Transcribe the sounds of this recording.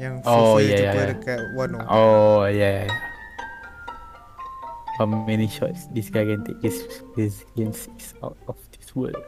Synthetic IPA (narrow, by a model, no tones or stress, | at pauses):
ojajaja | ojajajaja | famɛniʃɔ̰tsdisɡaɪkɛ̃nt̪ḛk̚disɹisiə̃nssa̰t̚ɔfdiswə̰l